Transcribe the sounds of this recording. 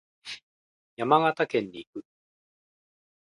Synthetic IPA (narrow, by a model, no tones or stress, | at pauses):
jamaɡat̪akẽ̞ɲ̟ːiːkɯ̟